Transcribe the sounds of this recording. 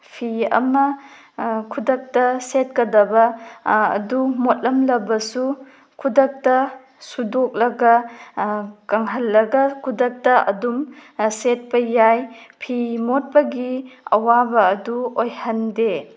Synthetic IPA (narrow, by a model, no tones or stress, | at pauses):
pʰiɐ̰mɐ | kʰudɐk̚tɐset̚kɐdɐbɐɐ̰dumot̚lɐmlɐbɐsu | kʰudɐk̚tɐ | sudok̚lɐɡɐ | kɐŋɦɐlːɐɡɐkʰudɐk̚tɐʔɐ̰dumset̚pɐjajpʰimot̚pɐɡiɐ̰wabɐːduojhɐnde